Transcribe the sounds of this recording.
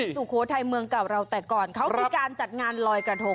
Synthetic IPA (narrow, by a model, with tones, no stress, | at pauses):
suː˨˩kʰoː˨˦t̪ʰa˧jmɯ˧əŋka˨˩w̚ɾa˧wt̪ɛː˨˩kɔː˨˩nkʰa˦˥wiː˧kaː˧nt͡ɕa˨˩t̪̚ŋaː˧nlɔː˧jkɾa˧t̪ʰo˧˥˩ŋ